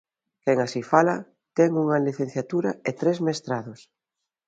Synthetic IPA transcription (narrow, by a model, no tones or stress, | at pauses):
kɛŋasifala | t̪ɛŋuŋaliθen̟θjat̪uɾɐet̪ɾezmest̪ɾaðʊs